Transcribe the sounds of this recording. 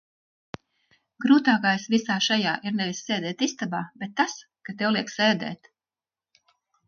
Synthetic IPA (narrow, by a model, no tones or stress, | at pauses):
ɡɾuːt̪aːkajsvisaːʃajaːʔiɾnɛvisːeːd̪ɛːt̪ist̪abaːbet̪ːas | kat̪ɛwliɛkseːd̪ɛ̰ːt̪